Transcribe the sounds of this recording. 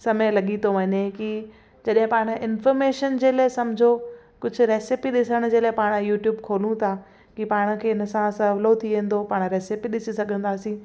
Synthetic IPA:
sɐmelɐɠit̪ʰoʋɐɲeki | d͡ʑɐɗɦɪ̃paːɽ̃̆ʔɪnfɔːɾmeːʃənd͡ʑeːlaesɐmd͡ʑʱo | kʊd͡ʑʱʊ̆ɾeːsɪpiɗɪsəɽ̃ʊd͡ʑeːlaepaːɽ̃juːʈjuːbkʰoːlũt̪ʰa | kipaːɽ̃̆kʰeːɪnə̆sãsɐʋlot̪ʰiʋẽːn̆d̪opaːɽ̃ɾeːsɪpiɗɪsisɐɡʱə̃nd̪aːsĩː

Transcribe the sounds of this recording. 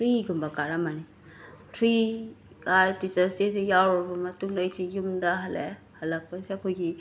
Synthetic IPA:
tɾiɡumbakaɾamani | tʰɾi | kajtit͡ʃastesejawɾɔɾbamɐtuŋlajsijumdaɦɐlḛ | halɐk̚paseakʰojɡi

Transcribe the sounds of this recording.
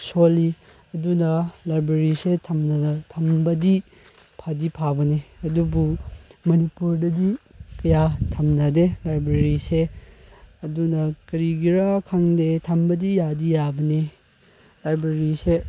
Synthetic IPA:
soli | ɐdunɐlajbɾeɾisetʰɐmnɐnɐtʰɐmbɐdi | pʰadipʰabɐneɐdubumɐnipuɾdɐdikɐjatʰɐmnɐdelajbɾeɾise | ɐdunɐkɐɾiɡiɾakʰaŋdetʰɐmbɐdijadijabɐne | lajbɾeɾise

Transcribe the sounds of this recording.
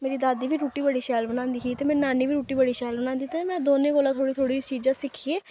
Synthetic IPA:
meːɾiːd̪aːd̪iːʋiːɾuːʈiːbəɽiːʃɛːlbənãːnd̪iːɦiːt̪eːmɛ̃ːnaːniːʋiːɾuːʈiːbəɽiːʃɛːlbənaːnd̪iːt̪emɛ̃ːd̪oːnẽːkoːlãːt̪ʰoːɽiːt̪ʰoːɽiːt͡ʃiːd͡ʒãːsɪkʰieː

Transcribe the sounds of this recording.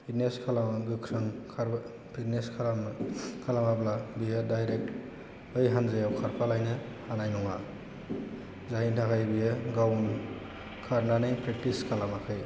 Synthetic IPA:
itneskʰalamaɡɯkʰɾɯŋkʰaɾ | pɾitneskʰalamkʰalamablabijadajɾek̚t | ɯjɦanzajawkʰaɾpʰalajnɯ | hanajnɔŋa | zaintʰakʰajbijɯɡawn | kʰaɾnanɯjpɾek̚tiskʰalamakʰɯj

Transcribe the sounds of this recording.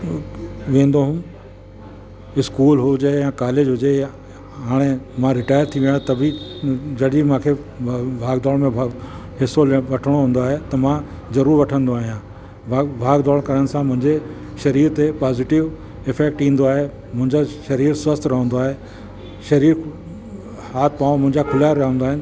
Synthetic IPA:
ʋẽːn̆d̪oɦʊm | ɪskuːlɦʊd͡ʑejãkaːleːd͡ʑɦʊd͡ʑe | ɦaːɽ̃emãɾɪʈaːjəɾt̪ʰiʋiə̃t̪ɐbʱid͡ʑɐɗimãːkʰebʱaːɡd̪ɔːlmẽ | ɦɪsolʋɐʈʰəɽ̃oɦũnd̪oaːɦet̪ɐmã | zɐɾuːɾʋɐʈʰə̃nd̪oaːɦijã | abʱaːɡd̪ɔːɭkɐɾəɽ̃sãmʊ̃ɦɪ̃ɲd͡ʑe | ʃɐɾiːɾt̪epaːzɪʈɪʋ | ɪfɛːk̚ʈĩːnd̪oaːɦe | mʊ̃ɦɪ̃ɲd͡ʑaʃɐɾiːɾswəst̪ɾɐɦə̃nd̪oaːɦe | ʃɐɾiːɾ | aːt̪̚ʰpãːmʊ̃ɦɪ̃ɲd͡ʑakʰʊlaːɾaɦə̃nd̪aːɦɪnɪ

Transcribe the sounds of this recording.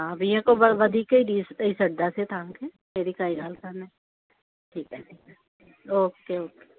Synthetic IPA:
ɦãbʱijãkobɐʋɐd̪ʱikeiɖiːsisɐɽd̪aset̪ʰãːŋkʰe | meːɾikaːilaːlk̪ʰaːnɛ̃ | ʈʰiːkɦɛʈʰiːkɛ | oːkeoːke̥

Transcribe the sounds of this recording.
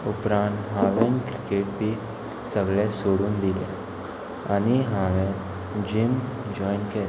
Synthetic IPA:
ʊpɾãːnʈɦaːʋẽnkɾɪkeːʈ̚bʱi | səɡɭesoːɽund̪ɪlḛ | ɐniɦaːʋẽ | d͡ʒɪm | d͡ʒɔːɪnke

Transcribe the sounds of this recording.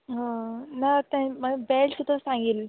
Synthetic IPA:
ɦə̃nat̪ãməbɛlsud̪ʱəsãŋɡiːl

